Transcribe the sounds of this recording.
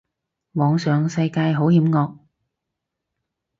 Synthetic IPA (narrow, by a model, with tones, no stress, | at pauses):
mɔː˨˧ŋsœː˨ŋsɐ˧jkaː˧jɦo˨˥whiː˨˥mŋɔː˧k̚